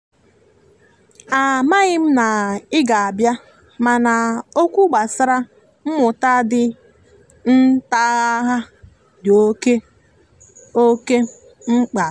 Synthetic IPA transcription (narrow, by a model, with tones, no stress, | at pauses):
a˨ma˦ɣɪ˦m̩˦na˨ɪ˦ɡa˨a˨bja˦ | ma˨na˨o˦kʷu˦ɡ͡ba˨sɪ˦ɾa˦ | m̩˦mʊ˨ta˦dɪ˦ | n̩˦ta˦ɦa˦ | do˦ke˦ | o˦ke˦ | ŋ͡m̩˦k͡pa˨